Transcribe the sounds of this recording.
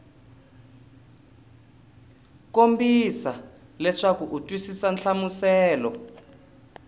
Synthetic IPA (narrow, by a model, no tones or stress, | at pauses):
kombisalɛʂakuʔutʼwisisanɬamusɛːlɔ